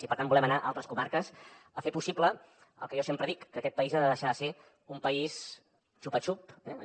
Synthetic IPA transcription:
ipəɾt̪ambulɛmənaʔalˠt̪ɾəskumaɾkəsəfepusiplə | ə̰lˠkəʒɔsempɾəðikːəkɛt̪̚pəizaðəðəʃaðəse | umpəis | t͡ʃupət͡ʃupɛ

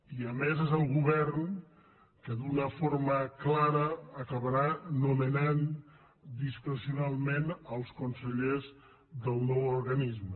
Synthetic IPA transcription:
iəmezezəlˠɣuβɛɾn | kəd̪unəfoɾməklaɾəːkəβəɾanumənan | d̪iskɾəsiunalˠmenəlˠskunsəʎez | d̪əlˠnɔwuɾɣənizmə

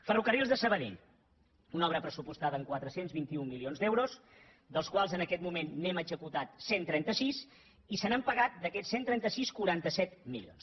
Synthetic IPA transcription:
fərukərilˠzðəsəβəðḛʎ | unɔβɾəpɾəsupust̪aðəŋkwat̪ɾəsenzβint̪iummːilionzd̪ɛwɾos | d̪əlˠskwalˠzənəkɛt̪mumenːɛməzəkut̪at̪sent̪ɾɛnt̪əsis | isənəmpəɣat̪̚d̪əkɛsːent̪ɾɛnt̪əsiskuɾant̪əsɛt̪mḭlio̰ns

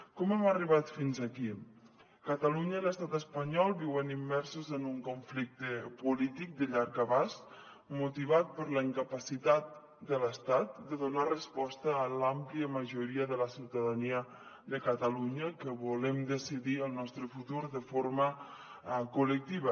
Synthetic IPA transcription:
kɔmɛməriβat̪finzaki | kət̪əluɲəiləst̪at̪əspəɲɔlˠbiwənimːɛɾsuzənuŋkuɱflik̚t̪əpulit̪ik̚d̪əʎaɾkəβas | mut̪iβ̞at̪̚pəɾləiŋkəpəsit̪at̪̚ | d̪ələst̪at̪̚d̪əðunarəspɔst̪əːlampliəməʒuɾiəðələsiwt̪aðaniə | ðəkət̪əluɲəkəβulɛmd̪əsiðiəlˠnɔst̪ɾəfut̪uɾðəfoɾmə | kulək̚t̪iβə

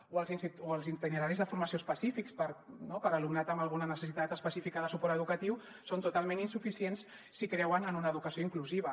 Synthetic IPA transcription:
oəlˠzinsioəlˠzint̪inəɾaɾizðəfuɾməsiospəsifikspəɾnopəɾəlumnat̪əmbəlˠɣunənəsəsit̪at̪əspəsifikəðəsupɔɾt̪əðukət̪iw | sont̪ut̪alˠmẽninsufisiensː | ikɾɛwənənunəːðukəsioiŋkluziβə

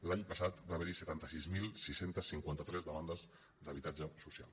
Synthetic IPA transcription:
laɲpəsat̪baβɛɾisət̪ant̪əsizmilˠsisent̪əsːiŋkwant̪ət̪ɾɛzðəmand̪əz | d̪əβ̞it̪ad͡ʒəsusia̰lˠ

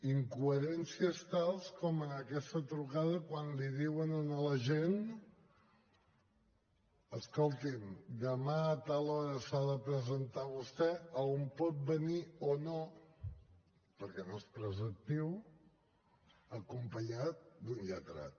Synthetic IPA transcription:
iŋkuəɾɛnsiəst̪alˠskɔmənəkɛst̪ət̪ɾukaðəkwanliðiwənənələʒen | əskɔlˠt̪imd̪əmat̪alɔɾəsaðəpɾəzənt̪aβust̪ɛəompɔt̪̚bəniono | pəɾkɛnoespɾəzək̚t̪iw | əkumpəɲat̪̚d̪unʎət̪əɾa̰t̪̚

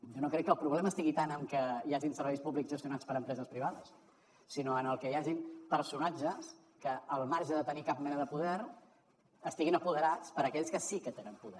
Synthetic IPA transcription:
ʒonokɾɛkːəlˠpɾuβlɛməːst̪iɣit̪anəmkəjaʒinsəɾβɛjspuβlikzʒəst̪junat͡spəɾəmpɾɛzəspɾiβ̞aðəsː | inoənəlˠkəjaʒimpəɾsunad͡ʒəs | kəːlˠmaɾʒəðət̪ənikap̚mɛnəðəpuðɛɾ | əst̪iɣinəpuðəɾat͡spəɾəkɛʎskəsikət̪enəmpuðɛ

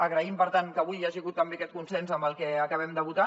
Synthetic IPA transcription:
əɣɾəimpəɾt̪aŋkəβujːaʒiɣut̪ːəmbekɛt̪kunsɛnzəmbəlˠkɛəkəβɛmd̪əβut̪a

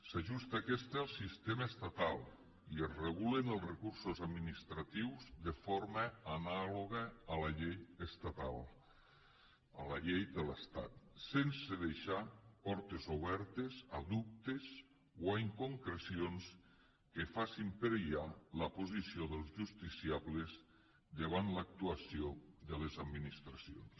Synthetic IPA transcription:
saʒust̪əːkɛst̪əalˠsist̪eməːst̪at̪alˠ | iəzrəɣulenəlˠzrəkuɾsozad̪minist̪ɾat̪iwzðəfoɾməːnaloɣəːləʎejəst̪at̪a̰lˠ | əlaʎejd̪ələst̪a̰t̪sensəðeʃapɔɾt̪ezoβ̞ɛɾt̪ezaðup̚t̪ez | waiŋkoŋkɾesions | kefasimpeɾeʎaləpozisioðelˠzʒust̪isiaβlez | d̪eβ̞ant̪lak̚t̪uasioðəlezad̪minist̪ɾasio̰ns

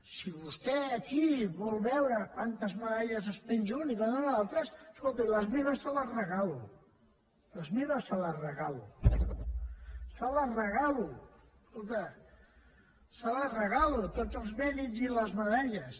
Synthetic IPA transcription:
siβust̪ɛəkiβɔlˠβɛwɾəkwant̪əzməðaʎəzəspenzunikwanonalˠt̪ɾəsskolˠt̪iləzmeβəsːaləzrəɣalu | ləzmeβəsːələrəɣalu | sələrəɣalu | skolˠt̪ə | salərəɣalut̪od͡zəlˠzβɛniziləzməðaʎəs

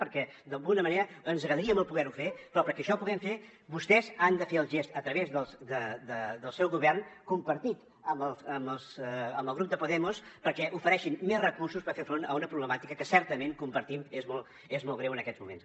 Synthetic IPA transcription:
pəɾkɛ | d̪əlˠɣunəməneɾəənzəɣɾəðəɾiəməlˠpuɣɛɾufepɾɔpəɾkɛəʃɔpuɣɛmfe | βust̪ɛzand̪əfeəlˠʒest̪ət̪ɾəβezðəlˠsd̪əd̪əd̪əlˠsɛwɣuβɛrnkumpəɾt̪it̪ | əmbəlˠəməlˠsəmbəlˠɣ̞ɾup̚d̪əpuðɛmuspəɾkɛʔufəɾɛʃimmezrəkuɾsuspəɾfefɾonə̰unəpɾuβləmat̪ikəkəsɛɾt̪əmeŋkumpəɾt̪imezmɔlˠ | ezmɔlˠɣɾewənəkɛd͡zmumḛns

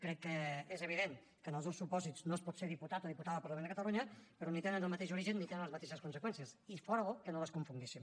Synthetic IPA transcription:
kɾɛkːəezəβiðeŋ | kənəlˠzðowsupɔziznospɔt̪seðiput̪at̪oðiput̪aðəlˠpəɾləmend̪əkət̪əluɲəpəɾɔnit̪enənəlˠmət̪eʃuɾiʒənːit̪enənləzmət̪eʃəskunsəkwɛnsiəsifɔɾəɣokənoləskuɱfuŋɡisim

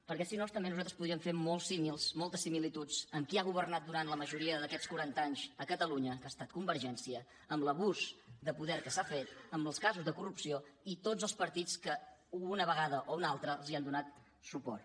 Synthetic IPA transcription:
pəɾkɛsinost̪əmbenuzat̪ɾə̥spuðɾiəɱfemolˠsimilˠzmolˠt̪əsimilit̪ud͡zəmkiaɣ̞uβ̞ərnat̪̚d̪uɾant̪ləməʒuɾiəðəkɛt͡skuɾant̪əaɲzəkət̪əluɲəkast̪at̪̚kumbəɾʒɛnsiəː | mləβuzd̪əpuðɛɾkəsafet̪̚əməlˠskazuzðəkurupsioit̪od͡zəlˠspəɾt̪it͡skəunəβəɣaðəʔounalˠt̪ɾəlˠziand̪unat̪̚ | supɔ̰r

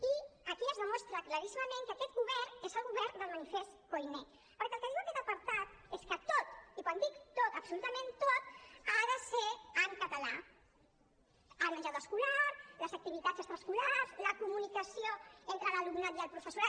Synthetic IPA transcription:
iəkiəzðəmɔst̪ɾəkləɾisiməmẽŋkəkɛt̪ɣuβɛrezəlɣuβɛɾd̪əlˠmənifest̪kojne | pəɾkɛəlˠkəðiwəkɛt̪əpəɾt̪at̪̚eskət̪ot̪ikwand̪ikt̪ot̪əpsulut̪əmẽnt̪ot̪̚aðəseəŋkət̪ala | əlmənʒawðəskulaɾləzək̚t̪iβit̪azəkst̪ɾəskulazləkumunikəsioent̪ɾələlumnat̪jəlpɾufəsuɾa

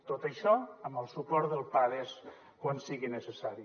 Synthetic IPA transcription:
t̪ot̪əʃɔəmbəlˠsupɔɾt̪ðəlˠpaðes | kwansiɣinəsəsaɾi

